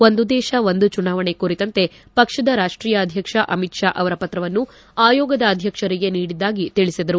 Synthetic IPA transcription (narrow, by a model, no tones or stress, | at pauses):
ʋond̪ud̪ɛːʃɐʋond̪ut͡ʃunaːʋɐɳe̞kuɾit̪ɐnt̪e̞ | pɐkʂɐd̪ɐɾaːʂʈɾiːjɐːd̪ʱjɐkʂɐʔɐmit̪ʂaːʔɐʋɐɾɐpɐt̪ɾɐʋɐnːu | aːjɔːɡɐd̪ɐːd̪ʱjɐkʂɐɾiɡe̞niːɽid̪ːaːɡit̪iɭisid̪ɐɾu